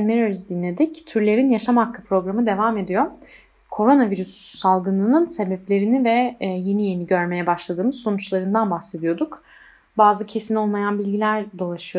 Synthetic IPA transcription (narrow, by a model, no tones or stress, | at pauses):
nmeɾøɾzd̪inːʲed̪ict̪ʰyɾlʲe̞ɾinjaʃamakːɯpɾo̞ɡɾamɯd̪e̞vaːme̞d̪ijo̞ | kʰo̞ɾo̞naviɾyssalˠɡɯnɯnɯnse̞bɛplʲe̞ɾinivɛje̞nije̞niɟøɾme̞jɛbaʃlˠad̪ɯːmɯzso̞nut͡ʃlˠaɾɯnd̪anbaxse̞d̪ijo̞d̪uk | baːzɯcʰe̞sino̞lˠmajanbilʲɟilʲæɾd̪o̞lˠaʃɯjo